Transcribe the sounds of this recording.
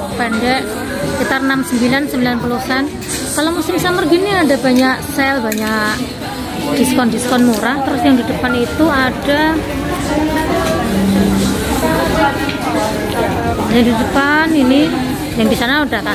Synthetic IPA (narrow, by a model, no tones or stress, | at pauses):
bandɛʔ | sə̥kit̪arnamsəmbilansəmbilanpulusɛn | kalomusɪmsamərɡiniadabaɲaʔsɛlbaɲa | d̥iskɔndiskɔnmuɾat̪əɾʊsjaŋdidəpanit̪uada | jaŋdidəpanini | jaŋbisarnaudat̪a